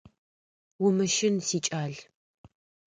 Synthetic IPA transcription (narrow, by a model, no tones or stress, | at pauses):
wʊmɨʃɪnsiːt͡ʃʼaːɮ